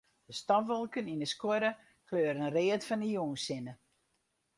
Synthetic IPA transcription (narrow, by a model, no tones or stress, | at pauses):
d̥əstɔʋɔlˠkəninəskoɾə | kʰløːəɾənreːətfɔnəjuːnsɪnə